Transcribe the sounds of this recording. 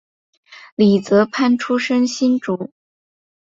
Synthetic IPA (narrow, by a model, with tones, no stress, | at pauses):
li˨˩t͡sɤ˧˥pʰa˥˧nʈ͡ʂʰu˥ʂə˥ŋɕi˥nʈ͡ʂu˨˥˦